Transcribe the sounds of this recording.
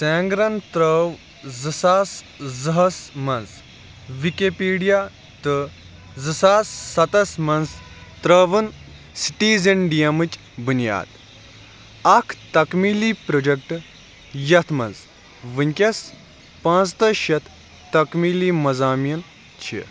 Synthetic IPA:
seːŋɡɾɐnt̪ɾəːw | zɨsaːs | zɐɦɐsmɐns | ʋikepiːɖijaː | t̪ɨ | zɨsaːsːɐt̪ɐsmɐnz | t̪ɾɐːʋɨn | si̥ʈiːzɐɳɖijɐmɨt͡ʃʲ | bunja̰ːd̪ | ɐkʰt̪ɐkmiːliːpɾod͡ʒɐk̚ʈ | jɐt̪ʰmɐnz | ʋɨnʲkʲɐs | pãːnt͡st̪ɐʃɐt̪ʰ | t̪ɐkmiːliːmɐzaːmijɐn | t͡ʃʰḭ

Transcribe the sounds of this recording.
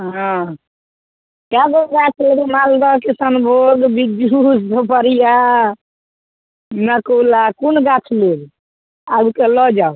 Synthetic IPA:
ɦã | kaɡoɡat͡ʃʰleɡimald̪ɔkesənbʱoɡbid͡ʒusb̪ʱəpəɾija | nəkulakunɡat͡ʃʰleɡ | abkelɔd͡ʒau

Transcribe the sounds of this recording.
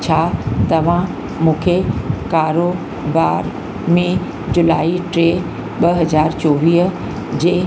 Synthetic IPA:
t͡ɕʰaːt̪ɐʋ̤ã | mũːkʰekaːɾo | baːɾ | mẽ | d͡ʑʊlaːiʈɾeː | ɓɐɦɐzaːɾt͡ɕoːʋiːɦ | d͡ʑeː

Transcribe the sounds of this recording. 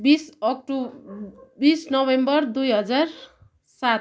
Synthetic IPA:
bisʌk̚ʈu | bisnʌbembʌrd̪ujɦʌd͡zar | sat

